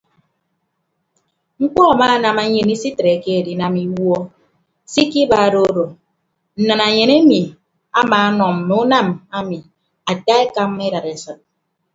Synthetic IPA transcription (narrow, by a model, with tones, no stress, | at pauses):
ŋ̩˦k͡pɔ˦a˨maː˦na˨ma˨ɲe˨ni˦si˦tɾe˨ke˦e˨di˨na˨mi˦wɔ˦ | si˦ki˦ba˨do˦do˨ | n̩˨na˨na˨ɲe˨ne˦mi˨ | a˦maː˨˦nɔ˨m̩˨m˨u˦na˦˨ma˦mi˨ | a˨ta˦e˦ka˦m˦e˦da˨ɾe˨sɔ˨t̚